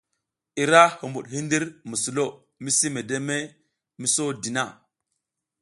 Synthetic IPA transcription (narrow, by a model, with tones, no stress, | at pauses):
i˨ɾa˦hu˨mbu˨ɗɦi˦ndi˦ɾmu˨su˨lo˦˨ | mi˦si˦me˨de˦me˦ | mi˦so˦di˨na˦˨